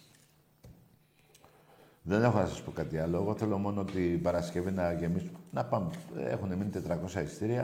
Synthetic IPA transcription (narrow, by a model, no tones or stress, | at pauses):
ðe̞ne̞xo̞nɐsɐspo̞kɐt̪iɐlo̞eɣo̞θe̞lo̞mo̞noot̪ibɐɾɐscevinɐʝe̞misnɐpɐmḛxuneminit̪e̞t̪ɾɐko̞sɐist̪iɾiɐ